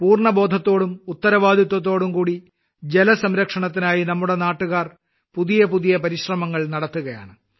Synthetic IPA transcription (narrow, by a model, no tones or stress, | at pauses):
puːrɳɐboːd̪ʱɐt̪ːo̞ːɽumut̪ːɐɾɐʋaːd̪ʱjɐt̪̬ːwɐt̪̬ːo̞ːɽumkuːɽi | d͡ʑe̞lɐsɐmɾɐkʂɐɳɐt̪ːinaːjinɐmːuɽe̞naːʈːuɣaːr | puðijɐpuðijɐpɐɾiɕrɐmɐŋːɐɭnɐɽɐt̪ːuɣɐja̰ːɳɨ